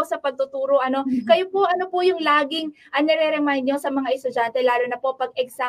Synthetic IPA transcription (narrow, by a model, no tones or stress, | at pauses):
sɐpɐɡ̚t̪ʊt̪uːɾo̞ʔɐno̞kɐjopoʔɐnopʊjʊŋlaːɡɪŋ | ʔɐnɛɾɛɾɛmajnd̪̚ɲosɐmɐŋaʔɛst̪ʊd͡ʒant̪ɛlaːlonɐpo̞ʔpɐɡɛɡsa